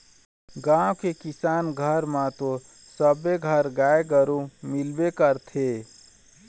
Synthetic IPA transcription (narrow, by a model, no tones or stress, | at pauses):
ɡãwkekisanɡʱəɾmãt̪o | səbːeɡʱəɾɡaeɡəɾũmilbekəɾt̪ʰe